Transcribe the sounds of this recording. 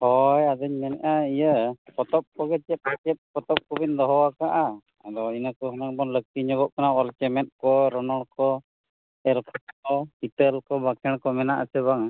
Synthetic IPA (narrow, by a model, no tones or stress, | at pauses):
hɔjad̪əɲmɛnɛ̰ʔaijəkɔt̪ɔp̚kɔɡɛt͡ʃɛp̚at͡ʃɛp̚kɔt̪ɔp̚kɔbind̪ɔɦɔwakaʔaː | d̪ɔinakɔɦɔnaŋbɔnlək̚t̪iɲɔɡɔʔkanaɔlt͡ʃɛmɛt̪̚kɔɾɔnɔɽkɔ | ɛlkʰɔt̚kɔit̪əlkɔbakʰɛɽ̃kɔmɛna̰ʔasɛβaŋ